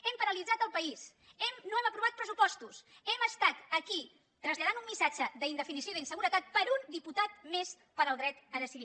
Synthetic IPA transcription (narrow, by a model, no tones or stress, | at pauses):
ɛmpəɾəlid͡zat̪əlˠpəis | ɛmnoɛməpɾuβat̪̚pɾəsupɔst̪us | ɛməst̪at̪əki | t̪ɾəzʎað̞anumːisad͡ʒəðəind̪əfinisjoðəinsəɣuɾət̪at̪̚pəɾund̪iput̪at̪̚mes | pəɾəlˠd̪ɾɛt̪əðəsiði